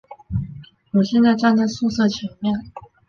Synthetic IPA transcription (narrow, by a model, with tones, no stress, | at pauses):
wɔ˨˩ɕjɛ˥˧nt͡sa˥˧ɪʈ͡ʂa˥˧nt͡sa˥˧ɪsu˥˧sɤ˥˩t͡ɕʰɛ˧˥ŋmjɛ˥˩n